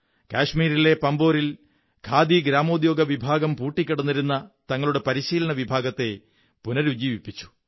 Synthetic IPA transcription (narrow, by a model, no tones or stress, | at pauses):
kaːʂmiːɾile̞pɐmbo̞ːɾil | kʰaːd̪iɡɾaːmo̞ːd̪jo̞ːɡɐʋibʱaːɡɐmpuːʈːikʲːɐɽɐnːiɾunːɐt̪ɐŋːɐɭuɽe̞pɐɾiɕiːlɐɳɐʋibʱaːɡɐt̪ːe̞ | punɐɾud͡ʑiːʋipːit͡ɕːu̥